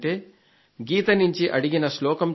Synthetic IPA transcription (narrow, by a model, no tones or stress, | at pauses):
ʈe̞ː | ɡiːt̪ɐnuɲt͡ʃiʔɐɽiɡinɐslɔːkɐm